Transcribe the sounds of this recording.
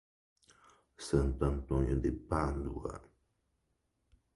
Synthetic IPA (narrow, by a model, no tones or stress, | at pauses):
sənt̪ant̪õɲəd̪epand̪ua̰